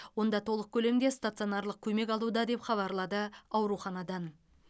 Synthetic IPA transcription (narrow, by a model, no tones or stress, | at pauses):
wo̞nd̪ɑt̪ʰo̞lˠəq̚kʲʰɵle̞md̪e̞st̪at̪sio̞nɑɾlˠəq̚kʲʰɵme̞kʲɑlˠud̪ɑd̪e̞pχɑβɑɾlˠɑd̪əɑwɾuχɑnɑd̪ɑn